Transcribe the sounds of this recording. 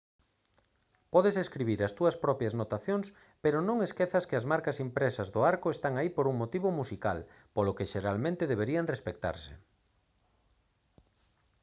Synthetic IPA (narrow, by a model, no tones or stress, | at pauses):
pɔðeseskɾiβiɾɐst̪uɐspɾɔpjɐznot̪aθjoŋs | peɾonõŋeskeθɐskɪɐzmaɾkasimpɾesɐzðʊaɾkoest̪aŋaipoɾuŋmot̪iβomusika̰l | polokeʃeɾalmẽnt̪eðeβ̞eɾiaŋrespek̚t̪a̰ɾsḛ